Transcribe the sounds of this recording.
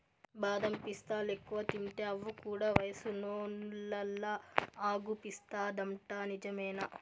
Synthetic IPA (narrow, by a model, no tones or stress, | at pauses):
baːd̪ɐmpist̪aːlekːuʋɐt̪iɳʈ̪eːɐʋːukuːɽaːʋɐjɐsunoːnlɐlːɐaːɡupist̪aːd̪ɐmʈaːnid͡ʒɐmɛːnɐ